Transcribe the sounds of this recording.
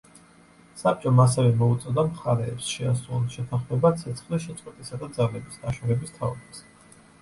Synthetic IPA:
sap̚t͡ʃʼɔmas̬ɛvɛmɔut̪sʼɔd̪amχaɾɛːpsʃɛasuulˠʃɛt̪ʰaχmɛbat̪sʰɛt̪sʰχliʃɛtsʼwɛt̪ʼisad̪ad̪zalɛbisd̪aʃɔɾɛbist̪ʰaɔ̰bas

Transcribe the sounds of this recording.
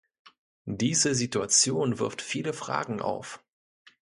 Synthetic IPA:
d̥iːzəzituat͡sjoːnvɪɐftfiːləfʁ̥a̰ːɡŋ̩ʔa̰ʊf

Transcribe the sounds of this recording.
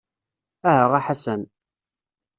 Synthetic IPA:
æɦæʁaħasən

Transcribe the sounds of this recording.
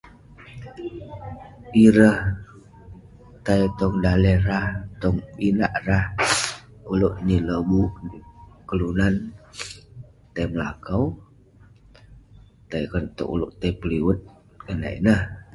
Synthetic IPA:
iɾəh | t̪ajt̪ɔŋdalɛɾaht̪ɔŋpinaʔrah | uloʔniləbuʔkəlunan | t̪ajməlakaw | t̪ajkənt̪o̰ʔṵlo̰ʔt̪apəliwət̪̚ | kəna̰ḭnəh

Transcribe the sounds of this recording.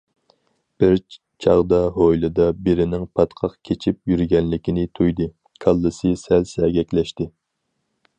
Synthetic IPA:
b̥ɪɾ | t͡ʃʰɑʁd̪ɑɦojlˠɨd̪ɑbeɾɪnɪŋpʰɑt̪qʰɑqkʲʰet͡ʃʰip̚jyɾɡʲɛnlɪkʲinɪt̪ʰujd̪ɨ | kʰɑlˠːɨsɨsælsɛɡʲɛkʲlɛʃt̪ɪ

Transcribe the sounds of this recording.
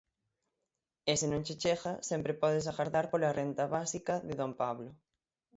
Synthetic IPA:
esɪnõŋt͡ʃet͡ʃeɣɐsɛmpɾepɔðɪsaɣaɾðaɾpolarʔent̪ɐβasikɐðɪðompaβlʊ

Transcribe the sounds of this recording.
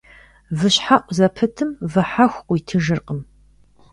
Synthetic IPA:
vɨɕħaʔʷʼzɐpʰɨtʰɨmvɨħaxʷʔʷʊjtʰɨʒɨrqʼəm

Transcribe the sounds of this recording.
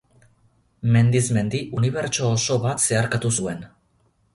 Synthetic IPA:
me̞nd̪izme̞nd̪iʔuniβ̞e̞ɾt͡ʃo̞ːso̞βat̪se̞aɾkat̪usue̞n

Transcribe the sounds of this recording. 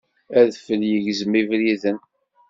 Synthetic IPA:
æðfəljəʝzmivɾiðən

